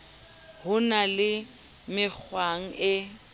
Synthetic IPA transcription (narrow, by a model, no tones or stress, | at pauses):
hʊnalɪ | mɪk͡xʰwaŋ̩ɪ